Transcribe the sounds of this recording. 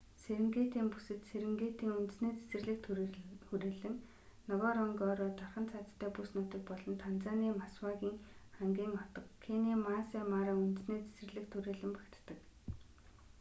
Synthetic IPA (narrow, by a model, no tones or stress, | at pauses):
seɾɘ̆ŋɡeːt̪iːmpu̥sɘ̆t̪seɾɘ̆ŋɡeːt̪iːŋunt̪ɘ̥̆sneːt͡se̥sɘ̆rɮɘ̆kt̪xuɾeːɮɘ̆ŋ | nɔwaɾɔŋɡɔːɾɔːt̪aχə̆nt͡sʰat̪ʰt̪ʰːæːpusnuːt̪ɘ̆k̚pɔɮɞ̆nt̪ʰant͡saːniːmaswaɣʲiːŋχæŋɡʲiːŋɔt̪ɞ̆kkʰːeniːmaːseːmaːɾaːunt̪ɘ̆sneːt͡se̥sɘ̆rɮɘ̆kt̪ʰːuɾeːɮɘ̆mpæ̥kʲt̪ːə̆k